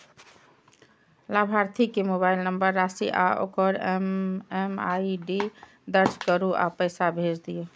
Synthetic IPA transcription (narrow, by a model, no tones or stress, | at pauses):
labʱaɾt̪ʰikemobailnəmbəɾːasiʔao̰kəɾmemaiɖi | d̪əɾd͡ʒkəɾuʔa̰pəjsabʱed͡ʒd̪ije